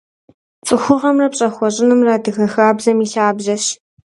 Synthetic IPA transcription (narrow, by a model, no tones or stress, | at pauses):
t͡sʼɨxʷʊʁɐmrɐpɕʼɐxʷɔɕʼɪnɨmraːdɨxɐxaːbzɐmiːɬaːbʑɐɕ